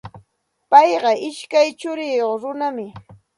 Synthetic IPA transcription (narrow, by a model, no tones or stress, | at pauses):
pɑjɢɑʔɪʃkajt͡ʃʊɾɪjoχɾʊnamɪ